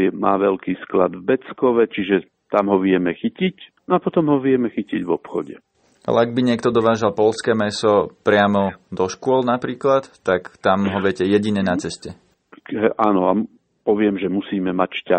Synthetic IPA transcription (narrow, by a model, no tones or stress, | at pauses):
ɛmaːʋɛlkiːskla̰d̪vbɛt͡skɔʋɛt͡ʃiʒɛ | t̪amɦɔʋɪɛmɛxicicnɔapɔt̪ɔmɦɔʋɪɛmɛxiciɟʋɔpxɔ̰ɟɛ̰ | a̰lɛ̰aɡ̚biɲɪɛkt̪ɔd̪ɔʋaːʒalpɔlskɛːmɛsɔpɾɪamɔd̪ɔʃkʊɔlnapɾiːklat̪ːakt̪amɦɔʋɛcɛjɛɟiɲɛnat͡sɛscɛ | ɦɛʔanɔa | pɔʋɪɛmʒɛmusiːmɛmacʃca